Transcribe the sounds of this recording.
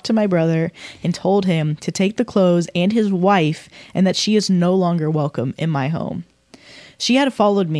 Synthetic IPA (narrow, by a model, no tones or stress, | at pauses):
tʰɨmaɪbɹʌðə˞ɨ̃ntʰoʊlˠd̚ɪ̃mtʰɨtʰeɪk̚ðɨkʰl̥oʊzɨ̃nɪzwaɪfʔɨ̃nðɨtʃiɨznoʊlɔ̃ŋɡə˞wɛlˠkə̃mɨ̰̃nmaɪɦõ̰ʊ̃m | ʃiɨd̥fɑlˠoʊd̚mi